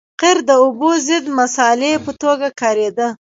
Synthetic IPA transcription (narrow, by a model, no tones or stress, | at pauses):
qɪɾd̪əubozɪd̪masɑlepət̪oɡakɑɾed̪ə